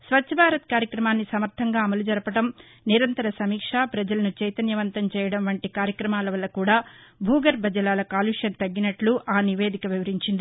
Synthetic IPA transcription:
sʋɐt͡ʃːʃʰɐbʱaːɾɐt̪kaːɾjɐkɾɐmaːnːisɐmɐɾt̪ʰɐŋɡaːɐmɐlud͡ʒɐɾɐpɐʈɐm | niɾɐnt̪ɐɾɐsɐmiːkʂaːpɾɐd͡ʒɐlɐnut͡ʃɐjt̪ɐnjɐʋɐnt̪ɐmt͡ʃɛːjɐɽɐmʋɐɳʈikaːɾjɐkɾɐmaːlɐʋɐlːɐkuːɽaːbʱuːɡɐɾbʱɐd͡ʒɐlaːlɐkaːluːʂjɐnt̪ɐɡːinɐʈluʔaːniʋe̞ːd̪ikɐʋiʋɐɾiɲt͡ʃind̪i

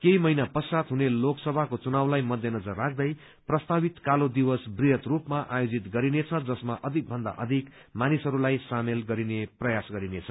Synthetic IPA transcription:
kejmʌinapʌsat̪ɦuneloksʌbʱakot͡sunawlajmʌd̪ʱjʌnʌd͡zʌrːak̚ʰd̪ʌj | prʌst̪abit̪kalod̪iwʌsbrijʌt̪rupmaʔajod͡zit̪ɡʌɾinet͡sʰʌd͡zʌsmaʔʌd̪ʱik̚bʱʌnd̪a̰ʔʌ̰d̪ʱik | manisɦʌɾulajsamelɡʌɾineprʌjasɡʌɾinet͡sʰʌ

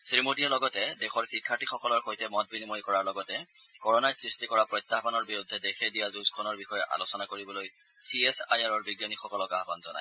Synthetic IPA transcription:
sɹimodijalɔɡɔtɛdexɔɹxikʰːatixɔkɔlɔɹxojtɛmɔt̚binimojkɔɹaɹlɔɡɔtɛ | kɔɹɔnajsɹistikɔɹapɹɔjt̪ːaɦbanɔɹbiɹudʱːɛdexɛdijazuzkʰɔnɔɹbixɔjɛʔa̰losɔnakoɹibɔloj | siɛsajaɹɔɹbiɡjanixɔkɔlɔɡaɦba̰nzɔ̰na̰j

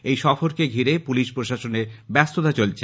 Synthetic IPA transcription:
ejʃɔfoɾkeɡʱiɾepuliʃpɾoʃaʃoneɾbɛst̪ot̪at͡ɕolt͡ɕʰe

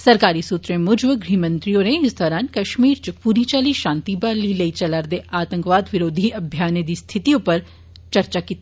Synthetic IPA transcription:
sɐɾkaːɾisut̪ɾẽmʊd͡ʒʋəɡɾiːmə̃nt̪ɾijõɾẽɪsd̪ɔːɾaːnkɐʃmiːɾt͡ʃpuːɾit͡ʃaːliʃãːnt̪ibalilɐit͡ʃɐlaːɾd̪eaːt̪ə̃ŋkʋaːd̪ʋɪɾoːd̪ʱiɐbʱjaːned̪ist̪ʰɪt̪iõpɐɾ | t͡ʃɐɾt͡ʃakiːt̪ː

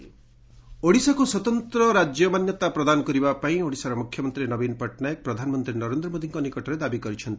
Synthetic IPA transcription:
oɽisakuswɔt̪ɔnt̪ɾɔɾad͡ʒjɔmanjɔt̪apɾɔd̪anɔkɔɾibapaĩoɽisaɾɔmukʰjɔmɔnt̪ɾiɾenɔbinpɔʈnajɔk̚pɾɔd̪ʱanɔmɔnt̪ɾinɔɾend̪ɾɔmod̪ʱiŋkɔnikɔʈɔɾed̪abikɔɾit͡ʃʰɔnt̪i

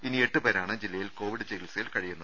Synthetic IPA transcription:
inie̞ʈːɨbeːɾaːɳɨd͡ʑilːɐjilko̞ːʋiɽɨt͡ɕeɡilsɐjilkɐɻijunːɐð

